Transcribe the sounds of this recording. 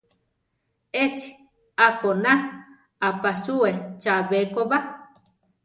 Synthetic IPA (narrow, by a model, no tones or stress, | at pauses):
et͡ʃi | akona | apasuet͡ʃaβekoβa